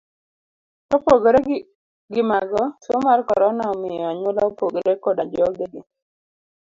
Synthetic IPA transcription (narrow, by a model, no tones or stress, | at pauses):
tɔpoɡɾe | ɡɪmaɡɔsomarkɔ̰ɾɔnaɔmɪjɔaɲʊlɔpoɡoɾekodad͡ʒɔɡeɡɪ